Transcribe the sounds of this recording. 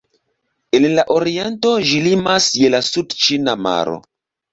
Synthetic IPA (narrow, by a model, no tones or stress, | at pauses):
enlaʔo̞ɾie̞nto̞ʒilimasje̞lasudt͡ʃinama̰ɾo̞̰